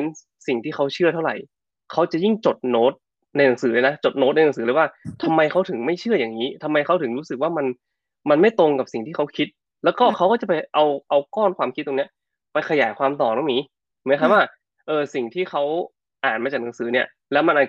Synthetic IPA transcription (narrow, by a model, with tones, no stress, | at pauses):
e˧n | si˨˩ŋt̪ʰiː˥˩kʰa˦˥wt͡ɕʰɯ˥˩ɐt̪ʰa˥˩wɾa̰˨˩j | kʰa˦˥wt͡ɕa˨˩ji˥˩ŋt͡ɕo˨˩t̪̚noː˦˥t̪̚ | na˧jna˩˦ŋsɯː˩˦lːna˦˥t͡ɕo˨˩t̪̚noː˧˦˥na˧jna˩˦ŋsɯː˩˦lɤː˧˦waː˥˩t̪ʰa˧mːa˧jkʰa˦˥wt̪ʰɯ˩˦ŋma˥˩jt͡ɕʰɯ˥˩ɐjaː˨˩ŋiː˦˥t̪ʰa˧mːa˧jkʰa˦˥wt̪ʰɯ˩˦ŋɾuː˦˥sɯ˨k̚waː˥˩ma˧n | ma˧nma˥˩jt̪o˧ŋka˨˩p̚si˨˩ŋt̪ʰiː˥˩kʰa˦˥wkʰi˦˥t̪̚ | lɛː˦˥wkɔː˥˩kʰa˦˥wkɔː˥˩t͡ɕa˨˩pa˧jʔa˧wʔa˧wkɔː˥˩nkʰwaː˧mkʰt̪̚ːo˧ni˦˥ɐ | pa˧jkʰa˧jaː˩˦jkʰwaː˧mt̪ɔː˨˩nɔ˨˥˩ŋiː˦˥ | mɯ˨˦kʰa˧˥waː˥˩ | ʔɤː˧si˨˩ŋt̪ʰiː˥˩xʰa˦˥w | ʔaː˨˩nmaː˧t͡ɕa˨˩k̚na˩˦ŋsɯː˩˦ni˥˩ɐ | lɛː˦˥wma˧nʔaː˨˩